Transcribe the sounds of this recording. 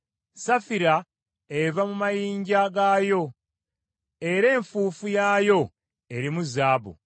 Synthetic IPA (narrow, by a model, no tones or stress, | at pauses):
safiɾa | evamumajiːɲɟaɡaːjo̞ | e̞ɾe̞ːɱfuːfujaːjo̞ | e̞ɾimuzaːbṵ